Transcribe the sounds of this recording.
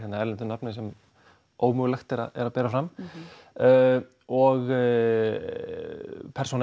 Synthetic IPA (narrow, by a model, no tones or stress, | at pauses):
θɛt̪naɛlɛnt̪ʏnapnɪsɛm | oːwmœːɣlɛxt̪ɛɾa̰ɛɾapɛːɾafɾam | ɔɣ | pʰɛɾrson